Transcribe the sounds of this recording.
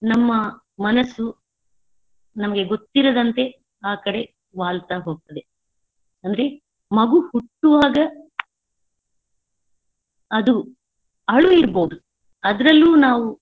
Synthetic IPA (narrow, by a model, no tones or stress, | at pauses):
nɐmːɐ | mɐnɐsːu | nɐmɐɡe̞ɡo̞t̪ːiɾɐd̪ɐnt̪e̞ | aːkɐɽe̞ | ʋaːlt̪aːɦo̞ːɡ̚t̪ɐd̪e̞ | ɐnd̪ɐɾe̞ | mɐɡuhuʈːuʋaːɡɐ | d̪u | ɐɭuiɾbo̞ːd̪u | ɐd̪ɐɾɐlːuːnaːʋu